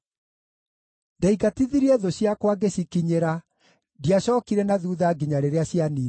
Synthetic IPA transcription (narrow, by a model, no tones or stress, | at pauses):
daiɡatiðiɾiɛðoɕjakwaɡeɕikiɲeɾa | diaɕɔːkiɾɛnaðuːðaːɡiɲaɾeɾeaɕjani